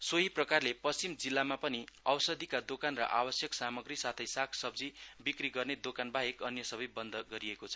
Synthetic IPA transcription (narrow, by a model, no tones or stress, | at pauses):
soɦiprʌkarlepʌst͡simd͡zilːamapʌniʌwsʌd̪ʱikad̪okanrʌ̰ʔabʌsjʌksamʌɡrisat̪ʰʌjsakʰsʌb̚d͡zibikriɡʌrned̪okanbaɦekʌnjʌsʌbʌjbʌnd̪ʱʌɡʌɾiekot͡sʰʌ̥